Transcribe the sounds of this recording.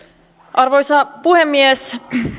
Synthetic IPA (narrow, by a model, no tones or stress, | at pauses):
ʔɑrʋo̞jsɑpuhemːies